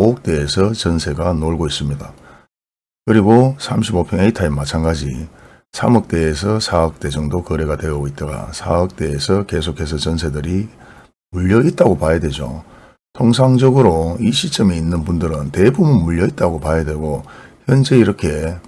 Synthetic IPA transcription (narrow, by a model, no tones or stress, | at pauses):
ook̚t͈e̞ːsʰʌt͡ɕʌnsʰe̞ɡanoɭɡois͈ɯmɲida | kɯɾiɡosʰamɕʰibopʰjʌŋeitʰaimat͡ɕʰanɡad͡ʑi | sʰamʌk̚t͈e̞ːs̬ʰʌsʰaʌk̚t͈e̞d͡ʑʌŋdokʌɾe̞ɡatwe̞ʌɡoit̚t͈aɡa̰sʰaʌk̚t͈e̞ːsʰʌke̞s̬ʰokʰe̞s̬ʰʌt͡ɕʌnsʰe̞dɯɾi | muʎːʌit̚t͈aɡopajadwe̞d͡ʑo̰ | tʰoŋsʰaŋd͡ʑʌɡɯɾoiɕʰit͡ɕ͈ʌmiinːɯnbundɯɾɯnte̞bumɯnmuʎːʌit̚t͈aɡopajadwe̞ɡoçjʌnd͡ʑe̞iɾʌkʰe̞